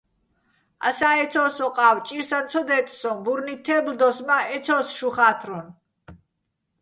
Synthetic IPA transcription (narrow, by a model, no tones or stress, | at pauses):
a̰saɛt̪sʰɔsɔqʼawt͡ʃʼiɾsant̪t͡s̪ʰɔd̪ɛt̪ʼsɔbuɾnit̪ʰɛbld̪ɔsmaɛt̪sʰɔsʃuχat̪ʰɾɔn